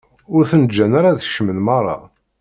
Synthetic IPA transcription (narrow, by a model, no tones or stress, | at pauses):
ʊɾθənəd͡ʒːænaɾaðʃmənmɑrˤːɑ̰